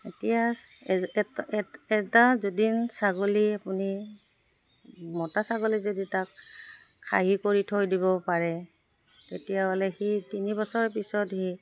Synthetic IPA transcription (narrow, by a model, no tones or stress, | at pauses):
etija | ɛtazodinsaɡoliapuni | mɔtasaɡolizoditakʰː | a̰ɦikoɹitʰojdibɔpaɹɛ | tetijaɦɔlɛxitinibɔsɔɹpisɔthi